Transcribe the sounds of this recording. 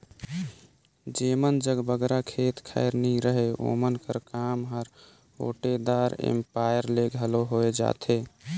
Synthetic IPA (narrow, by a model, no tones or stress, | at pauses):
d͡ʒemənd͡ʒəɡbəɡɾakʰet̪kʰa̰ɪɾniɾəɦeo̰mənkəɾkamɦəɾ | o̰ʈed̪aɾḛmpajəɾleɡʱəloɦoed͡ʒa̰t̪ʰe